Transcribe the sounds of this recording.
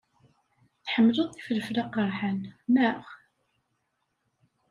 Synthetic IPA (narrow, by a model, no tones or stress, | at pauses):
θħəmːlʊðˤθi̥fləflɑqəɾˤħanmæʁ